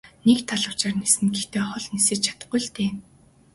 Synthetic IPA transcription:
nekt̪ʰːaɮə̆w̥t͡ɕaːrnesɘ̆nɡext̪ʰeːχɔɮnisɘ̆t͡ɕt͡ɕʰḁt̪ə̆ɢʊjɮt̪eː

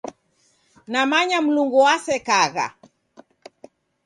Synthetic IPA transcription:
namaɲam̩luŋɡuwasɛkaɣa̰

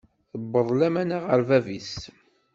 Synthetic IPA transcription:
θəbːəðˤlæmænaʁəɾvævis

